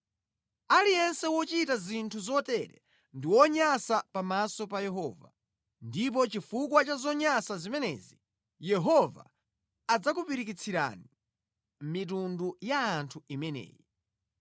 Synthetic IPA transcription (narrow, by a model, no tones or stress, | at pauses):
alijɛnsɛwɔt͡ʃitazintʰuzɔtɛɾɛ̰ | ndiwɔɲasapamasɔpajɛɦɔva̰ | ndip̬ɔt͡ʃifuk̬wat͡ʃazɔɲasazimɛnɛ̰zi | jɛɦɔva̰ | ad͡zakupiɾikit͡sʰiɾa̰ni | mit̬undujaːntʰuimɛnɛ̰ːji